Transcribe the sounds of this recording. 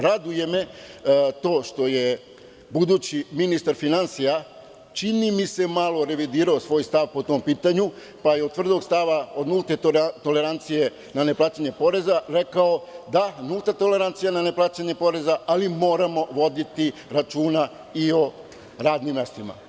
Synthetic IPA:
ɾad̪uje̞me | t̪o̞ːʃt̪o̞je̞ | bud̪ut͡ɕiminist̪aɾfinansija | t͡ʃinimise̞malˠo̞ɾe̞ʋid̪iːɾaosʋo̞ːjst̪aʋpo̞t̪o̞mpiːt̪aɲu | pajeod̪t̪ʋr̩d̪o̞ɡst̪aʋao̞d̪nulˠt̪e̞ot̪o̞le̞ɾant̪sije̞ | nane̞plˠaːt͡ɕeɲe̞po̞ɾe̞zaɾe̞kao̞d̪anulˠt̪at̪o̞le̞ɾant̪sijanane̞plaːt͡ɕeɲe̞po̞ɾe̞zaalimo̞ːɾamo̞ʋo̞d̪it̪iɾat͡ʃuːna | io̞ | ɾaːd̪nimːest̪ima̰

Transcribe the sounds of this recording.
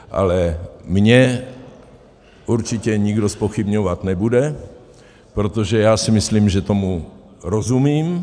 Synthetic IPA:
ʔa̰lɛmɲɛ | uɾt͡ʃɪcɛɲɪɡdo̞spo̞xɪbɲovat̪nɛbudɛ | pɾot̪oʒɛjaːsɪmɪsliːmʒɛt̪omu | ɾozumiːm

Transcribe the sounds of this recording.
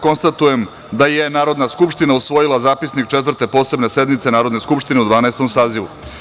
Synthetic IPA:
ko̞nst̪at̪uje̞m | d̪ajenaːɾo̞d̪naskupʂt̪inausʋo̞jilˠazaːpisnik̚t͡ʃet̪̬vəɾ̩t̪e̞po̞ːse̞bne̞se̞d̪mit̪se̞naːɾo̞d̪ne̞skupʃt̪ine̞ud̪ʋaːnaest̪o̞msaːziʋṵ

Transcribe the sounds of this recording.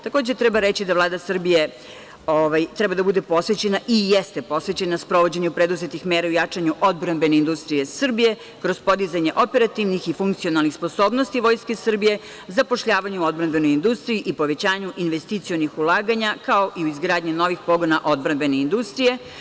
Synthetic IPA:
t̪ako̞ːd͡ʑet̪ɾɛbaɾet͡ɕid̪aʋlˠaːd̪asr̩bije | oʋajt̪ɾɛbad̪abud̪e̞po̞sʋe̞t͡ɕe̞naʔijest̪epo̞sʋe̞t͡ɕe̞naspɾo̞ʋo̞d͡ʑeɲupɾed̪uzet̪ixmeɾaujat͡ʂaɲuʔod̪bɾambe̞ne̞ind̪ust̪ɾije̞sr̩bije̞ | kɾo̞zpo̞d̪izaɲeʔo̞pe̞ɾat̪iʋnixifuŋkt̪sio̞nalˠnixspo̞so̞ːbnost̪iʋo̞ːjskesr̩bije̞ | zapo̞ʃʎaːʋaɲɛuo̞d̪̚bɾanbe̞nojind̪ust̪ɾijiʔipo̞ʋe̞t͡ɕaːɲuʔinʋest̪it̪sijo̞nixulˠaːɡaɲakaoʔiuizɡɾaːd̪ɲino̞ʋixpo̞ɡo̞naʔo̞d̪̚bɾanbe̞neind̪ust̪ɾije̞

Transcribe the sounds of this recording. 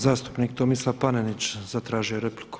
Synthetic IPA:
zaːst̪u̥pnik̚t̪omislˠapanenit͡ʃzat̪ɾaːʒijoɾepliku̥

